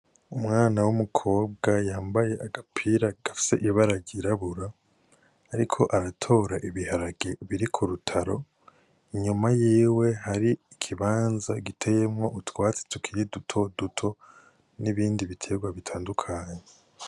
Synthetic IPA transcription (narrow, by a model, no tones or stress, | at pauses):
umŋaːnawumukʰo̞ːb̚ɡajaːmbaje̞ʔaɡapʰiɾaɡ̥afi̥se̞ʔiβaɾaɟiɾaβuɾaː | ɾikʰo̞ʔaɾatʰo̞ːɾaʔiβihaɾaɡe̞βiɾikʰuɾutʰaɾo̞ | iɲumajiːwe̞haɾiːkʰiβaːnzaɡitʰe̞je̞mŋo̞ʔutwaːt͡se̥tu̥kʰiɾidutʰo̞dutʰo̞ | niβiːndiβitʰe̞ɡwaβitʰaːndukʰaːɲe